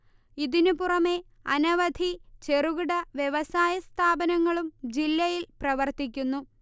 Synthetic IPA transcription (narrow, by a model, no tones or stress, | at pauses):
iðinupurɐme̞ | ɐ̰nɐʋɐd̪ʱit͡ɕe̞ruɣuɽɐʋje̞ʋɐsaːjɐst̪ʰaːbɐnɐŋːɐɭumd͡ʑilːɐjilprɐʋɐrt̪ikʲːunːu